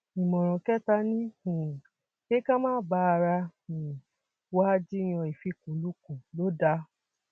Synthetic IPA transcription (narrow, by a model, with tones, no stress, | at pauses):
ĩ˨mɔ̃˨ɾ̃ɔ̃˨kɛ˦ta˧nĩ˦˨ | ke˦kã˦mãː˦ba˨˦a˧ɾa˧ĩ˨ | wa˦d͡ʒi˦j̃ɔ̃˧i˨fi˧˦kũ˨lu˦kũ˨lo˦da˧